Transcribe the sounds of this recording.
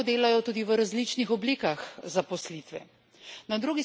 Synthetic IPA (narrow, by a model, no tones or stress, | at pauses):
d̪eːlajɔt̪uːd̪iʋəɾazlit͡ʃnixɔbliːkaxzapɔslit̪ʋɛ̰ | nad̪ɾuːɡi